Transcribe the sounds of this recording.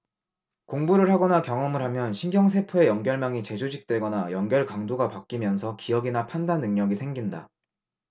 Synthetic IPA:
koŋbuɾɯɭɦaɡʌnakjʌŋʌmɯɭɦamjʌnɕʰiŋɡjʌŋsʰe̞pʰoe̞jʌŋɡjʌɭmaŋit͡ɕe̞d͡ʑod͡ʑik̚t͈we̞ɡʌnajʌŋɡjʌɭkaŋdoɡapak̚k͈imjʌnsʰʌkijʌɡinapʰandanːɯŋɲʌɡisʰe̞ŋɡinda

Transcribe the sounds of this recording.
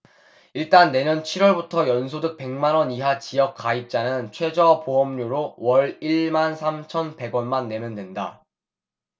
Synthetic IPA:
iɭt͈anːe̞ɲʌnt͡ɕʰiɾwʌɭbutʰʌjʌns̬ʰodɯk̚pe̞ŋmanʌniɦat͡ɕijʌk͈̚aip̚t͡ɕ͈anɯnt͡ɕʰwe̞d͡ʑʌpoʌmɲuɾowʌɭiɭmansʰamt͡ɕʰʌnpe̞ɡwʌnmanːe̞mjʌndwe̞nda

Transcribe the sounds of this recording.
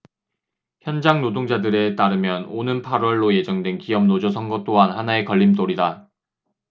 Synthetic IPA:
çjʌnd͡ʑaŋnodoŋd͡ʑadɯɾe̞t͈aɾɯmjʌnonɯnpʰaɾwʌɭːoje̞d͡ʑʌŋdwe̞nkiʌmnod͡ʑʌsʰʌŋɡʌt͈oɦanhanae̞kʌʎːimt͈oɾida

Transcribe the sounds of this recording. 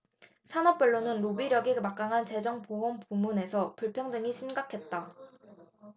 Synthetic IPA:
sʰanʌp̚p͈ʌɭːonɯnɾobiɾjʌɡimak͈aŋɦant͡ɕe̞d͡ʑʌŋpoɦʌmpumune̞sʰʌpuɭpʰjʌŋdɯŋiɕʰimɡakʰe̞t̚t͈a

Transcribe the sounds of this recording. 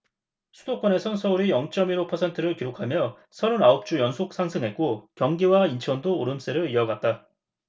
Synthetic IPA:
sʰu̥dok͈wʌne̞sʰʌnsʰʌuɾijʌŋt͡ɕ͈ʌmiɾopʰʌsʰe̞ntʰɯɾɯɭkiɾokʰamjʌ | sʰʌɾunaop̚t͡ɕ͈ujʌnsʰok̚s͈ʰaŋsʰɯŋɦe̞t̚k͈okjʌŋɡiwaint͡ɕʰʌndoːɾɯms͈eɾɯɭiʌɡat̚t͈a

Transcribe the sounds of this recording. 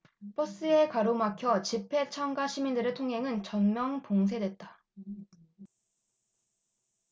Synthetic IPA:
p͈ʌs͈ɯe̞kwaɾomakʰjʌt͡ɕipʰe̞t͡ɕʰʌŋɡaɕʰimindɯɾɯɭtʰoŋɦe̞ŋɯnt͡ɕʌnmjʌŋpoŋs̬ʰe̞dwe̞t̚t͈ḁ

